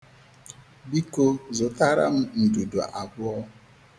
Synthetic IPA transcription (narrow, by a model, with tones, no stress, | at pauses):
bi˦ko˦zʊ˨ta˦ɾa̰˦m̩˦n̩˨du˨dṵ˨ʔa˨bʊ˦ɔ˦